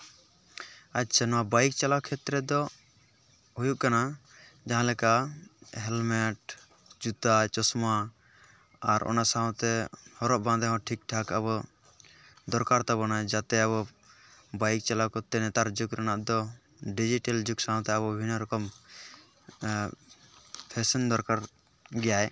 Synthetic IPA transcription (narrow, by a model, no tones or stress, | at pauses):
at̚t͡ʃʰanɔabajk̚t͡ʃalakʰɛt̪ɾɛd̪ɔ | ɦujuʔkanad͡ʒaɦãlɛkaɦɛlmɛʈ | d͡ʒut̪at͡ʃɔsma | aɾɔ̰nasaɦɔ̃t̪ɛhɔɾɔʔbãnd̪ɛɦɔ̃ʈʰik̚ʈʰakaβɔ | d̪ɔɾkaɾt̪abɔnajd͡ʒat̪ɛaβɔ | bajk̚t͡ʃalakɔt̪ɛnɛt̪aɾd͡ʒukɾɛnaʔd̪ɔ | ɖid͡ʒiʈɛld͡ʒuksãɦɔ̃t̪ɛabɔbʱinɔɾɔkɔm | pʰɛsɔnd̪ɔɾkaɾ | ɡɛjaj